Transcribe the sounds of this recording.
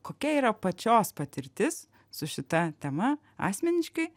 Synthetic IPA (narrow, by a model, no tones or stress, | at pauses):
koːkʲɛiːɾɐpɐt͡ʃʲoːspɐt̪ʲɪɾʲt̪ʲɪs | sʊʃʲɪt̪ɐt̪ʲɛmɐ | ɑ̰ːsʲmʲɛnʲɪʃkɐɪ